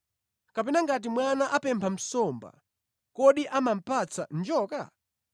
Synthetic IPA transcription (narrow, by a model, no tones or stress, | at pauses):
kapɛnaŋɡat̬imwanaʔapɛmpʰam̩sɔmba̰ | kɔɗiʔamam̩pʰat͡sʰand͡ʒɔːka̰